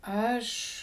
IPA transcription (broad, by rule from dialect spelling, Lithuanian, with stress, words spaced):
ˈɐʃ